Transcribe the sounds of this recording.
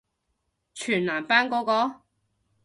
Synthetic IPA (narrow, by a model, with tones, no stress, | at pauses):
t͡ʃʰyː˨˩nlaː˨˩mpaː˥nkɔː˨˥kɔː˨˧˥